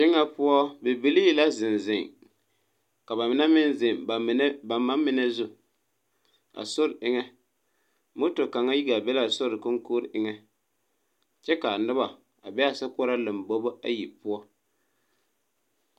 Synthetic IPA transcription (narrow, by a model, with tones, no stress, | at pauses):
ʃɪ˦ŋːa˦pʊ˦ɔ˦be˨bi˦li˦la˦zɪ˨nzɪ˨ŋ | ka˨ba˨mɪ˨˦na˦mɪ˦nzɪ˨ŋ˨˦ba˨mːa˦mɪ˨nɛ˦zʊ˦ | a̰˨so˦ɾɪ˦ŋɛ˦ | mʊ˦tʊ˨ka˨ŋa˦ji˦ɡa˨bɛ˦la˦˨sʊ˦ɾɨ˨kʊ˦ŋko˦ɾʔɪ˦ŋɛ˦ | t͡ʃɛ˦ka˨nɪ˦ba˨ | a̰˨bɛ˦a˦sa˦pʊ˦ɾa˦lɨ˨mbo˦bo˦a̰˦ji˨pʊ˦ɔ˦